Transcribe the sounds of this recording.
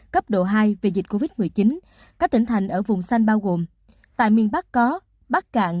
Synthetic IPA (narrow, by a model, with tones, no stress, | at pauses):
kə˦˥p̚ɗo̰˧˨ɦaː˧jve˨˩zi̟˨˩ko˧vi˦˥t̚mɨ˨˩əjt͡ɕi˨˦n | kaː˦˥k̚t̪i˧˩ŋ̟t̪ʰa˨˩jŋ̟ʔəː˧˩vʊ˨˩ŋ͡msa˧jŋ̟ɓaː˧wɣo˨˩m | t̪a̰ː˧˨jmi˧˩ənɓa˦˥k̚kɔ˨˦ | ɓaː˦˥k̚ka̰ː˧˨ŋ